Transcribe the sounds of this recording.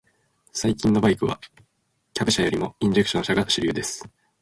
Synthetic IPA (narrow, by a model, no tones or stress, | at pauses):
saikʲĩnːo̞baikɯ̟βa̰ | kʲabɯɕajo̞ɾʲimo̞ĩɲ̟d͡ʑe̞kɯ̥ɕonɕaɡḁɕiɾʲɯːd̪e̞sɨ̥